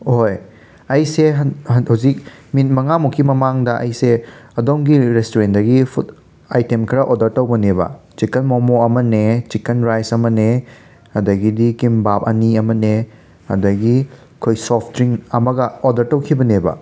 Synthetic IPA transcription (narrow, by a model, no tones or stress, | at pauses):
hoj | ɐjseɦɐhawzik̚mitmɐŋamukʰːimɐmaŋdɐʔɐ̰jseɐdoŋɡiɾestoɾendɐɡipʰut | ajtemkʰɾɐʔodɐɾtɐwbɐnebɐ̰t͡ʃikɐnmomoɐmɐnet͡ʃikɐnɾajsɐmɐne | hɐdɐɡidikimbap̚ɐniɐmɐne | hɐ̰dɐɡi | kʰojsɔpʰtɾiŋɐmɐɡɐodɐɾtɐwkʰibɐnebɐ̰